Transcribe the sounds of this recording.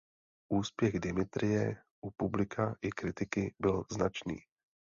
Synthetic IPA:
ʔuːspjɛɣdɪmɪt̪ɾɪjɛ | ʔupublɪkʰaʔɪkɾɪt̪ɪkɪbɪlznat͡ʃnḭː

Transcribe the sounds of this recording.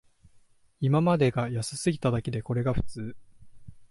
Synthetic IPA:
imamad̪e̞ɡajasɨ̥sɨɡʲit̪ad̪ake̞d̪e̞ko̞ɾe̞ɡaɸɯ̟̥t͡sɨː

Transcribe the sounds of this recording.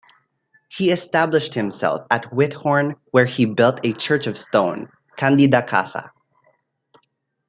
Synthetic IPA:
hiɨstæblɨʃt̚hɨ̃msɛ̰lˠfæt̚wɪt̚hɔɹnwə˞hibɪlˠtʰɨt͡ʃʰɜ˞t͡ʃʌv̥stõʊ̃n | kʰæ̃ndidakʰa̰sa̰

